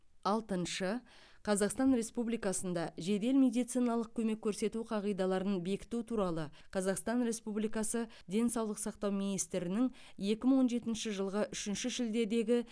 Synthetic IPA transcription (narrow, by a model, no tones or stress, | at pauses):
ɑlˠt̪ənʃə | qʰɑzɑqst̪ɑnɾe̞spublijkɑsənd̪ɑʒe̞d̪e̞lmʲe̞d̪ijt̪sijnɑlˠəq̚kʲʰɵme̞kʲʰːɵɾse̞t̪uqʰɑʁijd̪ɑlˠɑɾənbe̞kʲɪ̥t̪ut̪ʰuɾɑlˠə | qʰɑzɑqst̪ɑnɾe̞spublijkɑsə | d̪e̞nsɑwlˠəqsɑqt̪ɑwminijst̪ɾɪnɪŋ | je̞kʲɪməŋwo̞nʒe̞t̪ɪnʃɪʒəlˠʁəʔʏʃɪnʃɪʒɪld̪e̞d̪e̞ɡʲɪ